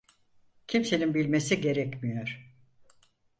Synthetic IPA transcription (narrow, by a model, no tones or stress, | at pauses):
cʰimse̞ninbilʲmesiɟe̞ɾɛcmijo̞ɾ̥